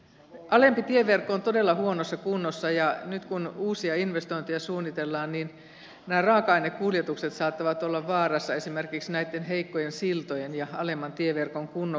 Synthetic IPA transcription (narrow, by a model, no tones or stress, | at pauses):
ʔɑlempit̪ieʋerkːont̪odelːɑhuonosːɑkunːosːɑjɑnyt̪kunuːsiɑinʋest̪oint̪ejɑsuːnːit̪elːɑːnniːn | næːrɑːkɑinekkuljet̪ukset̪sɑːt̪ːɑʋɑt̪olːɑʋʋɑːrɑsːɑesimerkiksnæit̪ːenɦeikːojensilt̪ojenjɑɑlemːɑnt̪ieʋerkoŋkunːo